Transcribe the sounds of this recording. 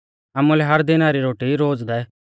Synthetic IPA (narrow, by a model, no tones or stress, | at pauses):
aːmulɛɦɐɾd̪ɪnaɾiɾoːʈiɾoːd͡zd̪ɛ